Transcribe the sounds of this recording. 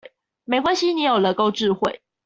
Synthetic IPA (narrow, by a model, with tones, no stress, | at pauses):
me˨˧˥ɪkwa˦nɕi˦ni˨˦jo˨˩lə˨˧˦ko˥˧ʊʈ͡ʂɻ̩˥˧xwe˥˨ɪ